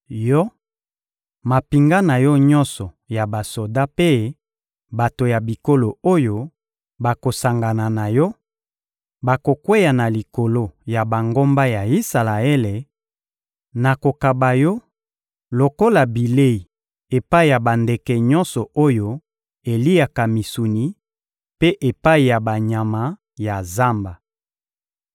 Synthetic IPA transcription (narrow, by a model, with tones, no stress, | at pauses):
jɔ˦ | ma˨pi˨ŋɡa˦na˨jɔ˦ɲɔ˦nsɔ˨ | ja˨ba˨so˨da˦pe˦ | ba˨to˨ja˨bi˨ko˦lo˨o˦jo˦ | ba˨ko˨sa˨ŋɡa˨na˨na˨jɔ˦ | ba˨ko˨kwe˦ja˨na˨li˨ko˨lo˦ja˨ba˨ŋɡo˦mba˦ja˨i˦sa˨la˨e˦le˨ | na˨ko˨ka˨ba˨jɔ˦ | lo˨ko˦la˨bi˨le˦i˨ | e˨pa˦i˨ja˨ba˨nde˨kɛ˨ɲɔ̃˦nsɔ˨o˦jo˦ | e˨li˦a˨ka˨mi˨su˨ni˨ | pe˦ʔe˨pa˦i˨ja˨ba˨ɲa˨ma˨ | ja˨za˦mba˨